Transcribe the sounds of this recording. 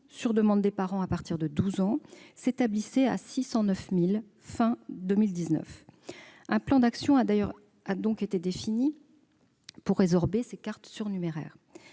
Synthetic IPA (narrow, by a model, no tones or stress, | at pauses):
syʁd̪əmɑ̃d̪ːepaʁɑ̃apaʁt̪iʁd̪əd̪uzɑ̃set̪ablisɛa̰sisɑ̃nœfmil | fɛ̃d̪ømild̪iznœ̰f | ɛ̃plɑ̃d̪aksjɔ̃aj | ad̪ɔ̃ket̪ed̪efini | puʁːezɔʁbesekaʁt̪syʁnymeʁɛ̰ːʁ